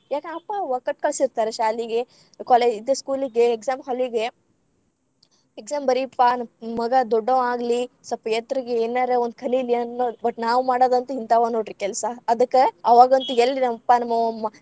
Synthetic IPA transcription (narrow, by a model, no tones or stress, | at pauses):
jaːkeɐpːaʋɐkɐʈ̚kɐɭsiɾt̪aːɾeʃaːliɡe | kɔled͡ʒid̪eskuːliɡeːksaːmɦɐlʋiɡe | eksaːmbɐɾipːanmɐɡɐd̪ɔɖːɐaːɡli | sɐpɐjet̪ɾiɡeeːnːaːɾeond̪̚kʰɐlilːiɐnːobɐʈnaːʋumaːɽoːd̪ɐnt̪uint̪aʋanoːʈɾikɛlsɐːd̪ɐkːeɐʋaːɡɐnt̪uelːinɐmɐpːanɐmːɐmɐ